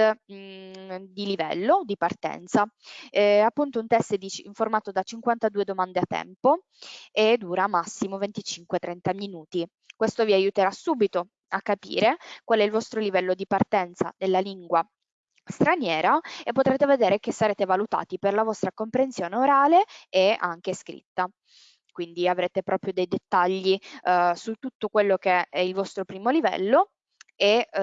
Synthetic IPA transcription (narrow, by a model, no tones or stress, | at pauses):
d̪ilivɛ̰lːod̪ipart̪ɛ̰nt̪sa | apːunt̪ount̪ɛst̪əd̪it͡ʃiɱformaːt̪od̪at͡ʃiŋkwant̪ad̪uːed̪omand̪eat̪ːɛ̰mpo | ed̪ːuːɾamːasːimovent̪it͡ʃiŋkwet̪ɾɛnt̪aminuːt̪i | kwest̪oviajut̪eɾasuːbit̪o | akːapḭːɾekwalɛilvɔst̪ɾolivɛlːod̪ipart̪ɛnt̪sa̰d̪elːaliŋɡwa | st̪ɾanjɛːɾaepːot̪ɾeːt̪eved̪eːɾek̟esːaɾeːt̪evalut̪a̰ːt̪iperlavɔst̪ɾakompɾensjoːneoɾaːleea̰ŋk̟eskɾḭt̪ːa | kwind̪iavɾeːt̪epɾʔɔːpɾjod̪ejd̪et̪ːaʎːisut̪ːut̪ːokwelːokeɛilvɔst̪ɾopɾiːmolivɛ̰lːo | e